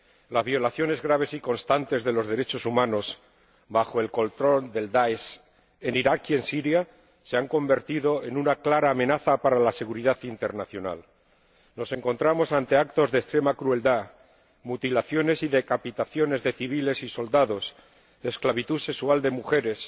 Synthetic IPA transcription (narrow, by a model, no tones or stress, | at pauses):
lazβjo̞laθjo̞ne̞zɣɾaβ̞e̞siko̞nst̪ant̪e̞zðe̞lo̞zðe̞ɾe̞t͡ʃo̞sumãno̞s | baxo̞e̞lko̞lt̪ɾo̞ld̪e̞ld̪aes | e̞niɾakie̞nsiɾja | se̞aŋko̞mbe̞ɾt̪iðo̞e̞nunaklaɾaːmẽ̞naθapaɾalase̞ɣuɾiðaθint̪e̞ɾnaθjo̞na̰l | no̞se̞ŋko̞nt̪ɾamo̞sant̪e̞akt̪o̞zðest̪ɾe̞makɾue̞ld̪a | mut̪ilaθjo̞ne̞siðe̞kapit̪aθjo̞ne̞zðe̞θiβ̞ile̞siso̞ld̪aðo̞s | esklaβ̞it̪use̞ksuald̪e̞muxe̞ɾe̞s